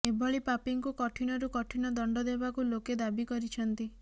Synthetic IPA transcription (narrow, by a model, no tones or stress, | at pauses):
ebʱɔɭipapiŋkukɔʈʰinɔɾukɔʈʰinɔd̪ɔɳɖɔd̪ebakuloked̪abikɔɾit͡ʃʰɔnt̪i